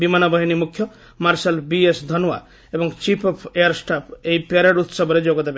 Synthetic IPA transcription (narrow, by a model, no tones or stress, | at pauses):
bimanɔbɔɦinimukʰjɔ | maɾsalbiesd̪ʱɔnua̰ | ebɔŋt͡ʃipʰɔpʰejaɾsʈapʰeipaɾeɖut̪sɔbʱɔɾed͡ʒoɡɔd̪ebe